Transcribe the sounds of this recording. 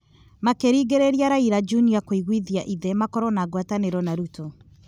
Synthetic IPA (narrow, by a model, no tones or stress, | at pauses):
makeɾiːɡeɾeɾjaɾaiɾad͡ʒuniakoiɣwiðiaʔiðɛmakɔɾɔnaːɣwataneɾɔnaɾutɔ